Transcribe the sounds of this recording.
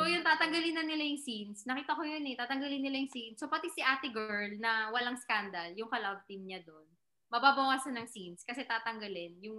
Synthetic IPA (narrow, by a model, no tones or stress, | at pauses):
sojʊnt̪aːt̪ɐŋɡɐlɪnːɐnɪlajʊŋsinsnɐkiːt̪ɐkojonɛt̪aːt̪ɐŋɡɐlɪnːɪlajʊŋsinsopɐt̪isɪʔaːt̪ɪɡɛɹlnɐwɐlaŋskand̪ɐljʊŋkɐlad̪̚t̪imɲad̪on | mɐbaːbɐwaːsɐnɐŋsinskɐsɛt̪aːt̪ɐŋɡɐlɪnjʊŋ